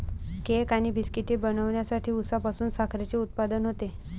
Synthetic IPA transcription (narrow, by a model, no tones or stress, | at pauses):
kekañiːbiskiʈiːbənəʋɳjasaʈʰiːusapasuːnsakʰɾet͡ɕeut̪̚pad̪ənɦot̪e